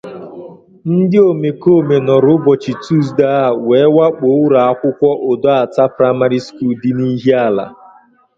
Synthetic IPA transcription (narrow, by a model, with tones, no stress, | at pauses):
n̩˦dɪ˦o˨me˨ko˦˨me˨nɔ˨ɾʊ˦bɔ˨t͡ʃi˨tu˦s̬da˦˨weː˨˦wa˦k͡po˨˦ɾa˨a˦kʷʊ˦kʷɔ˦ʔo˨do˦a˨ta˦pɾa˦ma˦ɾi˦sku˦˨ldɪ˦ni˦ɦi˦a˦˨la̰˨